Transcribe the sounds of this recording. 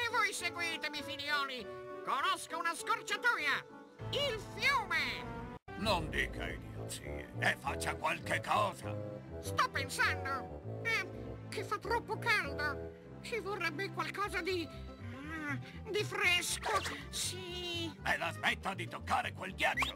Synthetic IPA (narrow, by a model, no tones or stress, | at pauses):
evɔjseɡwit̪emifiljɔːlikonoskounaskort͡ʃat̪uːja | ilfjuːme | nond̪ḭːkʰa̰ḭd̪o̰t̪sḭːḛefːat͡ʃːakwalkekːɔːza̰st̪ɔpːensand̪oɛk̟ɪfːat̪ːɾɔpːokald̪o | sivorːɛbːekwalkɔːzad̪i | d̪ifɾɛskosiɛlaspɛt̪ːad̪it̪okːaːɾekwelɡjat͡ʃːo